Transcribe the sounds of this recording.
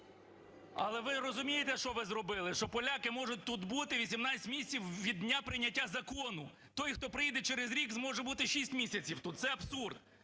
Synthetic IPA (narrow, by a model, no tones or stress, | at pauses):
ɐ̰lˠɛʋɪɾɔzʊmʲijet̪ɛʃt͡ʃɔʋɪzɾɔbɪlˠɪʃt͡ʃɔpɔlʲakɪmɔʒʊt̚ʲt̪ut̪but̪ɪʋʲisʲimnɑɐtʲmʲisʲt͡sʲiwʋʲid̪ʲnʲapɾɪnʲɐtʲːazɐkɔnʊ | t̪ɔjxt̪ɔpɾɪjid̪ɛt͡ʃɛɾezɾʲikzmɔʒɛbut̪ɪʃʲisʲtʲmʲisʲɐt͡sʲiwt̪ut̪t̪sɛɐbsurd̪